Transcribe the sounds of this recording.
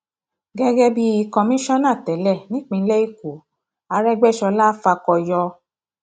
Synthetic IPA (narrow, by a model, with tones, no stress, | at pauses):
ɡɛ˦ɡɛ˦bi˦i˧kɔ̃˧mĩ˦ʃɔ˦nã˦˨tɛ˨˦lɛ˦˨nĩ˦k͡pĩ˧n̩˦lɛ˦i˦ku˨˦ | a˧ɾɛ˦ɡ͡bɛ˦˨ʃɔ˧la˦fa˧kɔ˧jɔ˧